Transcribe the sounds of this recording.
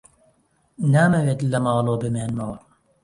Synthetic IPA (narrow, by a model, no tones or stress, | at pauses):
naːmɐweːt̪lɐmɑːlˠoːbɨmeːnmɐw